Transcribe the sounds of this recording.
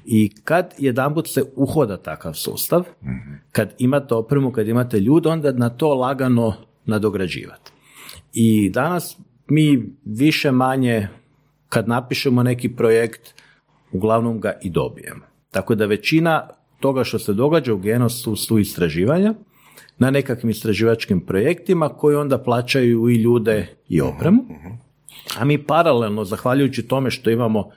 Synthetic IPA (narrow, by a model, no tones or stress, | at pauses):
ikad̪je̞d̪amput̪seuxo̞d̪at̪akaʋsṵːst̪aʋkad̪imat̪eo̞pɾemukad̪imat̪e̞ʎuːd̪eo̞nd̪anat̪o̞ːlˠaɡano̞ | nad̪o̞ɡɾad͡ʒḭːʋa̰t̪ | id̪anas | miːʋiʃe̞maɲe | kad̪napiʃemone̞kipɾojekt̪ | uɡlˠaʋno̞mɡaʔid̪o̞̰bije̞̰mo | t̪ako̞d̪aʋe̞t͡ɕina | t̪o̞ɡaʃt̪o̞se̞d̪o̞ɡad͡ʒauɡe̞no̞susuist̪ɾaʒiːʋaɲa | nane̞kakʋimist̪ɾaʒiːʋat͡ʃkimpɾo̞je̞kt̪imako̞jio̞nd̪aplˠaːt͡ʃajuiʎuːd̪e̞ | ḭo̞̰pɾemu | a̰miːpaɾale̞lˠno̞zaxʋaʎujut͡ɕit̪o̞me̞ʃt̪o̞imamo̞